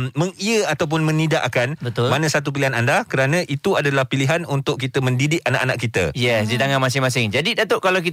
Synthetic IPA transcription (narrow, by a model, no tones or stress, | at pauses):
mməŋiəat̪awp̬ʊnmə̃nidaʔakanbət̪ʊlmanãsat̪up̬iliɦanandakəɾanãʔit̪uadalahpiliɦanunt̪ʊʔ̚kːit̪əmə̃ndidɪʔana̰ʔanaʔkːit̪ə̰jɛsdit̪aŋamas̬ɪŋmãsɪŋd͡ʒadidat̪əʔkalawk̬it